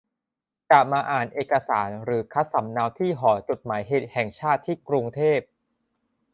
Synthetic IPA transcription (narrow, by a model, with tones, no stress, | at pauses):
ka˨˩maː˧ʔaː˨˩nʔeː˨˩ka˧saː˩˦nɾɯː˩˦kʰa˦˥t̪̚sa˩˦mna˧˥wt̪ʰiː˥˩ɦɔː˩˦t͡ɕo˨˩t̪̚maː˩˦jɦeː˨˩t̪̚hɛ˨˩ŋt͡ɕʰaː˥˩t̪ʰːiː˥˩kɾu˧ŋt̪ʰeː˥˩p̚